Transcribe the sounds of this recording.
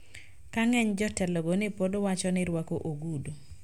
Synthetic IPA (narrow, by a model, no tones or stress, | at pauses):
kaŋɛɲd͡ʒɔtɛlɔɡonɪpodowat͡ʃɔnɪɾwakoʔoɡudo